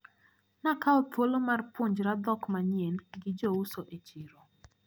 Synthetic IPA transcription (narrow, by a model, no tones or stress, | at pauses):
nakaɔtwolomarpʊɲd͡ʒɾad̪ɔkmaɲjenɡɪd͡ʒousoʔet͡ʃiɾo